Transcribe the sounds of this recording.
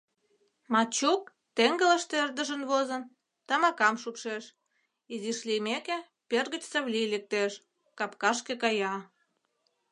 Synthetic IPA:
mɑt͡ɕuk̚ | t̪eŋɡə̆lə̆ʃt̪eerd̪ə̆ʒənβozə̆n | t̪ɑmɑkɑmʃupʃeʃ | iziʃlimeke | perɣə̆t͡ɕsəβlilek̚t̪eʃ | kɑpkɑʃ̬kekɑjɑ

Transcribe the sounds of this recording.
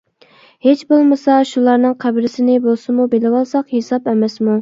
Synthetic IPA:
het͡ʃbolˠmɨsɑʃulˠɑɾnɨŋqʰæbɾɪsɪnɪbolˠsɨmubelɪwɑlˠsɑqhesɑpɛmɛsmu

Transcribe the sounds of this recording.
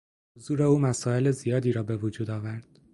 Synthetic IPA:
hozuːɾeuːmæsɒːe̞lezijɒːd̪iːɾɒːbe̞vod͡ʒuːd̪ɒːvæɾd̪̥

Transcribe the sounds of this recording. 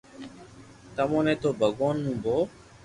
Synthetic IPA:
t̪əmɔ̃net̪obʱəɡoːnːũboː

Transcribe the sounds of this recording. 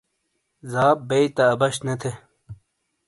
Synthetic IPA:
zaːp̚beit̪ɐːbɐɕnɐt̪ʰe

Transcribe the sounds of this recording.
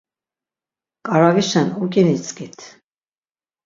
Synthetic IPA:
kʼaɾaviʃanukʼinit͡sʼkit̪ʰ

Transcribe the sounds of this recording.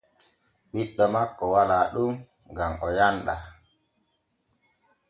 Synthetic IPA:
ɓiɗːɔmakːɔwalaːɗum | ɡamɔjanɗa

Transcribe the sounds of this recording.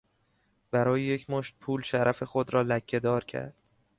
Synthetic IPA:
b̥æɾɒːjeje̞cʰmoʃt̪̚pʰuːlʃæɾʔæfe̞xod̪ɾɒːlæcʰːe̞d̪ɒːɾcʰæ̰ɾd̪̥

